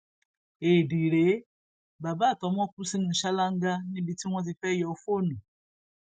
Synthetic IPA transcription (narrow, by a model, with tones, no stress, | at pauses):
e˨di˨ɾe˨˦ | ba˨ba˦˨tɔ˨˦m˦ɔ˦ku˦si˦ŋ˨n̩˨ʃa˦la˦ŋ˦ɡa˦ni˦˨bi˨ti˦ŋʷɔ˦zi˨fɛ˦jɔ˨˦fo˦nu˨